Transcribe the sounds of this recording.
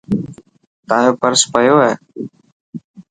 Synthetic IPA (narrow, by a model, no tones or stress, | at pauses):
t̪aːɦjoːpəɾspəjoːɦɛː